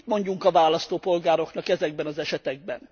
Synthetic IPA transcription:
mo̞ɲɟuŋkɒvaːlɒst̪oːpo̞lɡaːɾo̞knɒkɛzɛɡ̚bɛnɒzɛʃɛt̪ɛɡ̚bɛn

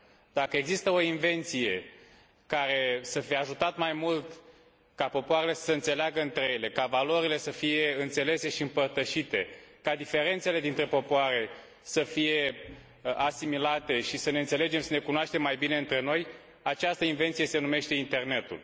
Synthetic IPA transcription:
d̪̥akəe̞ɡzist̪əo̞inve̞nt̪sije̞ | kaɾe̞səfijeaʒut̪at̪majmult̪ | kapo̞poaɾe̞le̞ssəɨnt̪se̞leaɡəɨnt̪ɾejele̞kavalo̞ɾile̞səfije̞ɨnt̪se̞le̞se̞ʃiɨmpərt̪əʃit̪e̞kad̪ife̞ɾe̞nt̪se̞le̞d̪int̪ɾe̞po̞poaɾe̞ | səfije̞ | asimilat̪e̞ʃisəne̞ɨnt̪se̞le̞d͡ʒe̞msəne̞kunoaʃt̪e̞mːajbine̞ɨnt̪ɾe̞no̞j | at͡ʃast̪əinve̞nt̪sije̞se̞nume̞ʃt̪e̞int̪e̞rne̞t̪ṵl

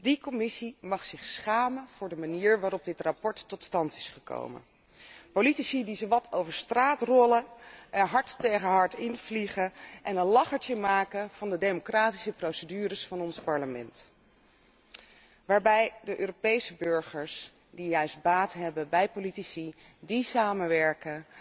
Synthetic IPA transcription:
dikɔmɪsimɑχsɪχsχaːmənv̥ʊːɹdəmaniːɹʋaːɾɔb̚dɪtrapɔɹtːɔtstɑntɪsχəko̰wmə̰n | politisidizowʋɑtʰowvəɹstraːtrɔləəɦɑɹttejχəɦɑɹtɪnv̥liχəʔɛnənlɑχəɹt͡ʃəmaːkənv̥ɑndədejmokraːti̥səprowsədyːɾəsfɑnɔnspɑɹləmɛ̰nt | ʋaːɹbɛjdəʔøːropejsəbʏɹχəɹs | dijœɥsbaːtɦɛbəbɛjpolitisi | disaːməʋɛɹkə

